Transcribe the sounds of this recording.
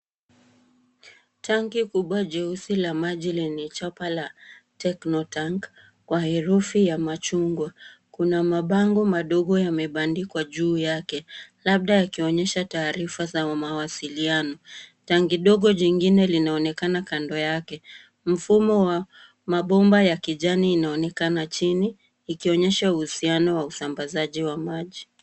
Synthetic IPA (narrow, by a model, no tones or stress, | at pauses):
tʰaŋɡikuɓwad͡ʒɛusilamaʄilɛnit͡ʃapalatɛknɔtaŋk | kwahɛɾufijamat͡ʃuŋɡwakunamaɓaŋɡɔmaɗɔɠɔjamɛɓandikwaʄuːjakɛlaɓ̚ɗajakiɔɲɛʃataːɾifazawamawasilianɔtaŋɡiɗɔɠɔʄiŋɡinɛlinaɔnɛkanakandɔjakɛ | m̩fumɔwa | maɓɔmbajakiʄaniːnaɔnɛkanat͡ʃiniː | kiɔɲɛʃauhusianɔwausambazaʄiwamaʄi